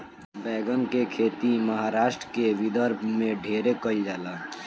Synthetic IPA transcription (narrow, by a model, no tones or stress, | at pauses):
bɛːɡənkekʰeːt̪iməɦaːɾaːʃʈɾəkeʋɪd̪əɾbʱmẽɖʱeːɾekəid͡ʒaːlaː